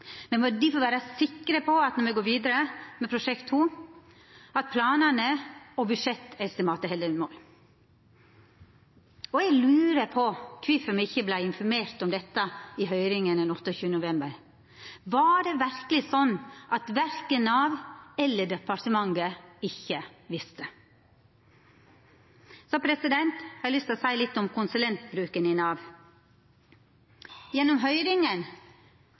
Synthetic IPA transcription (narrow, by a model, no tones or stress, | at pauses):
mɛmɔd̪ɪfɔʋæːɾəsɪkːɾəpʰɔɑt̪nɔɾmɛɡoːɾʋiːd̪əɾəmɛpʰɾʊʂɛkt̪ʰːuː | ɑt̪̚pʰlɑːnənəɔbʉdʂɛt̪ːɛst̪ɪmɑːt̪ːəhɛld̪ənmoːl | ɔɛɡlʉːɾəpʰɔkʰʋɪfəmɛɪçːəblæɪɪnfɔɾmeːɾt̪ɔmd̪ɛt̪ːəɪɦœʏɾɪŋənd̪ɛnɔt̪ːəɔçʉːənənʊʋɛmbəɾ | ʋɑɖɛːʋæɾkəlɪsɔnːʔɑt̪ʋæɾkənɑʋɛlːəɖɛpɑɾʈ̪əmɑŋɡəɪçːəʋɪst̪ə | sɔpʰɾɛsɪd̪ɛnt̪hɑɾɛlʏst̪osæɪlɪt̪ːɔmkʰʊnsʉlɛnt̪bɾʉːkənɪnɑːʋ | jɛnːɔmɦœʏɾɪŋən